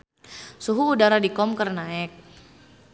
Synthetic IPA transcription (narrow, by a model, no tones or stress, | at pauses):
suɦuːdaɾadikɔmkərnaɛk̚